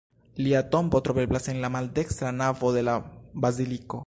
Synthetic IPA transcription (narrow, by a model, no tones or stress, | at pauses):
liato̞mbo̞tɾo̞be̞blase̞nlamalde̞kst̪ɾanavo̞de̞labaziliko̞